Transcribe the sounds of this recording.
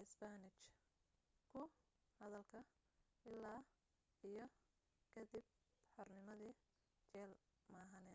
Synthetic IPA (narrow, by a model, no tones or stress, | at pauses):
ɪsbanɪt͡ʃ | kʰʊ | hɐðɐlkʰɐ | ɪlːaː | ijɞ | kʰɐd̪ib̚ | ħɔrnɪmɐðiː | t͡ʃɛːlmaːɦɐnɛːn